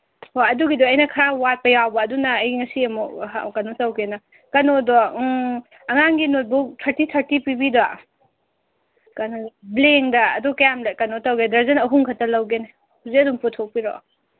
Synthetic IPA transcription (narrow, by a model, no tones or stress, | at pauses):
hojɐduɡidɔɐjnɐkʰɐɾawat̚pɐjawbɐːdunɐːjŋɐsiɐmɔ̰kɐnotɐwɡenɐ | kɐnodɔ | ɐŋaŋɡinot̚butʰɐɾtitʰɐɾtipibida | kɐnobleŋdɐɐdukɐjamlakɐnotɐwɡedɐɾzɐnɐɦuŋkʰɐtɐlɐwɡene | huziɐdumputʰok̚piɾɔ̰